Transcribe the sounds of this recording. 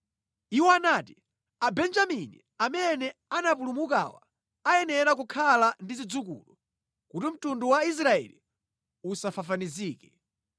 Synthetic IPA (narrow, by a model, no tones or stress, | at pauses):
iwɔanaːti | abɛnd͡ʒaminḭ | amɛnɛanapulumuka̰wa̰ | ajɛnɛɾakukʰalandizid͡zukṵːlɔ | kutim̩tunduwais̬ɾaɛ̰lḭ | usafafaniziːkɛ